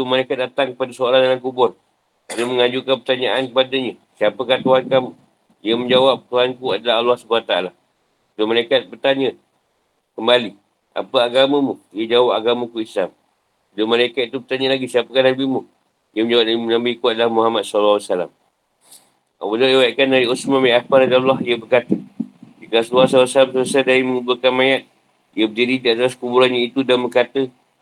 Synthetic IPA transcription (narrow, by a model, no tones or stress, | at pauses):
t̪umalaikat̪̚dat̪aŋkəpadasoalandaŋankubɔr | laluməŋaɲd͡ʒukanpərt̪aɲaʔankəpadaɲə | siapəkaht̪uɦankamu | ijəmə̃ɲd͡ʒawap̚t̪uɦankuadalaɦalːahsubuat̪aala | dəmalaikat̪̚bərt̪aɲə̃ | kəmbali | ʔa̰pəaɡamə̃muijəd͡ʒawap̚aɡamakuislam | dəmalaikat̪̚it̪ubərt̪aɲə̃laɡisiapəkanabimu | jəməɲd͡ʒawaʔ̚naimənambiikuat̪̚lahmuɦamat̪̚salawasala̰m | a̰wədaewaaʔkandaɾiusmãmaapaɾadalːɔɦijəbərkat̪ədikaasluasalsalamsəsadaɾiməŋubəkanmajat̪̚ | ijəbədididiat̪askubuɾanɲə̃it̪udanbəkat̪ə